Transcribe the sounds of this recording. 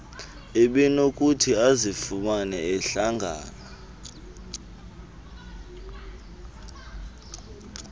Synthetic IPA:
eɓɛnokʼutʰiazifumanɛɛɬaŋɡʱa̰ːna

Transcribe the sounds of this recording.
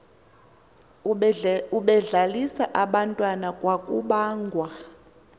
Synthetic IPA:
uɓɛɮalisaʔaɓantʼwanakʼwakʼuɓaːŋɡʱwa

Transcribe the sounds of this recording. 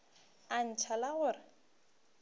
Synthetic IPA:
an̩t͡ʃʰalaɣʊrɪ

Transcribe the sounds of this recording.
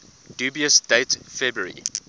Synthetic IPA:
d̥uːbiəsd̥eɪtfɛbɹəɹḭ

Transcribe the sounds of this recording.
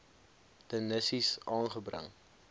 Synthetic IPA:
dənəsisɑːnχəbrə̰ŋ

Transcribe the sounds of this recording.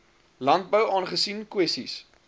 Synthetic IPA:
lɐnt̚bəwɑːnχəsinkwɛstḭs

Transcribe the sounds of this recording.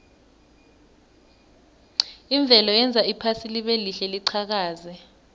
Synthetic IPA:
iɱb̪vʱɛlɔjɛnd͡zʱaipʰasiliɓeliɬɛliǀʰak̬aːzɛ

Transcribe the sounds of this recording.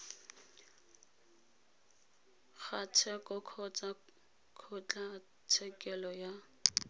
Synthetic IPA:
χat͡sʰɛkʼɔkʰɔt͡sʼa | kʰʊt͡ɬʼa | t͡sʰɛkʼɛlɔja

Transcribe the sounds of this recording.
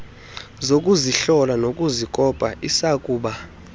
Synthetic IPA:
zokʼuziɬɔlanokʼuzikʼɔpʼaʔisakʼuːɓa

